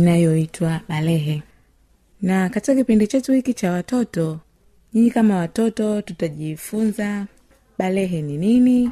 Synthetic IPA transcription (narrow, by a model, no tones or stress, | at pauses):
inajɔitwaɓalɛɦɛ | nakatikakipindit͡ʃɛtuhikit͡ʃawatɔtɔ | ɲiɲikamawatɔtɔtutaʄifunza | ɓalɛɦɛninini